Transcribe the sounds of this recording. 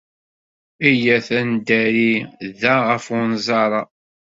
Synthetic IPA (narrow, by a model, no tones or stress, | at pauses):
æjæθænd̪æɾiðæʁəfʊnzˤɑɾˤɑ